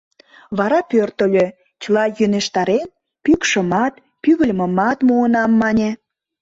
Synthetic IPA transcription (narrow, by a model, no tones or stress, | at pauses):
βɑɾɑpørt̪əlʲø | t͡ɕəlɑjyneʃt̪ɑɾen | pykʃə̆mɑt̪ | pyɣə̆lʲmə̆mɑt̪muənɑmːɑnʲe